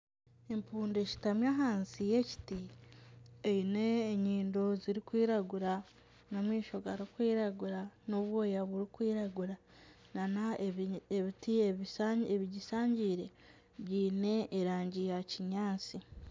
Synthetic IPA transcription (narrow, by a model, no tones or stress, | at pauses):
empuːndeci̥tamjaɦaːnsije̞ci̥ti | eineːɲiːndo̞ziɾikwiːɾaɡuɾa | nomwiːʃo̞ɡaɾikwiːɾaɡuɾanoβwo̞ːjaβuɾikwiːɾaɡuɾa | nanaeβitieβieβiɟisaːɲɟiːɾe̞ | βɟiːne̞ːɾaːɲɟijaciɲaːt͡si